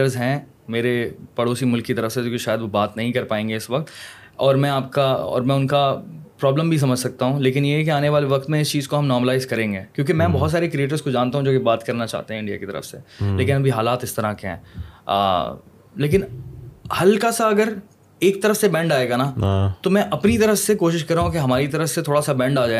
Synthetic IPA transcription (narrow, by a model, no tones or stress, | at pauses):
əɾzɦɛ̃ | meːɾepɐɽoːsimʊlkːit̪ɐɾəfsejõːkiʃaːjəd̪ʋobaːt̪nɐɦĩkɐɾpaːẽːŋɡeɪsʋɐkt̪ | ɔːɾmɛ̃aːp̚kaɔ̰ːɾmɛ̃ʊnkapɾɔːbləmbʱis̬ɐməd͡ʒʱsɐk̚t̪aɦũleːk̬ɪnjeɦɛk̬iaːneʋaːleʋɐkt̪mẽɪst͡ʃiːzkoɦɐmnɔːɾməlaːɪzkɐɾẽːŋɡeːkjõːk̬imɛ̃ːbɔɦɔt̪s̬aːɾekɾieːʈ̬əɾzkod͡ʒãːnt̪aɦũd͡ʒoːkibaːt̪kɐɾnat͡ʃa̰ɦt̪eɦɛ̃ɪ̃ɳɖia̰kit̪ɐ̰ɾə̰fsḛleːkɪnɐbʱiɦaːlaːt̪ɪst̪ɐɾakeɦɛ̰̃ː | leːk̬ɪnhɐlkasaɐɡəɾ | eːk̚t̪ɐɾəfsebɛ̃ːɳɖaːeːɡanat̪omɛ̃ʔɐpnit̪ɐɾəfsekoːʃɪʃkɐɾːaːɦũkeɦɐmaːɾit̪ɐɾəfset̪ʰoːɽasabɛ̃ːɳɖaːd͡ʒaːe